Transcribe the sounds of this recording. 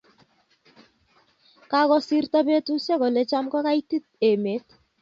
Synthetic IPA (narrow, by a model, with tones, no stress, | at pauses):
ka˦kɔ˦si˦rta˦be˦tu˦sɛ˦kɔ˨le˨˦t͡ʃa˦mkɔ˦ka˦i˦ti˦t̚e˨me˨˦t̚